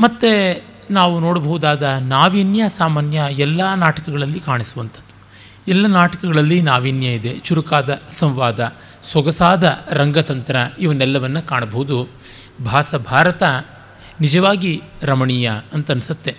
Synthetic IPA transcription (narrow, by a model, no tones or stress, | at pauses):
mɐt̪ːe | naːʋunoːɽɐbʱɐɦud̪aːd̪ɐnaːʋiːnjɐsaːmaːnjɐɛlːɐnaːʈɐkɐɡɐɭɐlːikaːɳisuʋɐnt̪ʰɐ̥d̪ːu̥ | ɛlːɐnaːʈɐkɐɡɐɭɐlːinaːʋiːnjɐid̪e̞t͡ʃuɾukaːd̪ɐsɐ̃mʋaːd̪ɐ | swɐɡɐsaːd̪ɐɾɐŋɡɐt̪ɐnt̪ɐɾɐiːʋɐnɛlːɐʋɐnːukaːɳɐbɐɦud̪u | bʱaːsɐbʱaːɾɐt̪ɐ | nid͡ʒɐʋaːɡiɾɐmɐɳiːjɐɐnt̪ɐnisɐt̪ːe